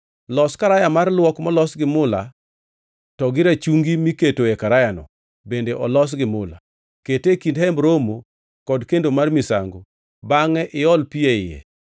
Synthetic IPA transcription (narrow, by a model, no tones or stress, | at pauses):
lɔskaɾajamarlwɔkmɔlɔsɡɪmʊla | tɔɡɪɾat͡ʃuŋɡimiketoekaɾajanɔ̰ | bendeʔɔlɔs̬ɡɪmʊla̰ | ketekindhɛmɾomo | kɔdkendomarmisa̰ŋɡo | baŋɛʔɪɔlpieɪjɛ̰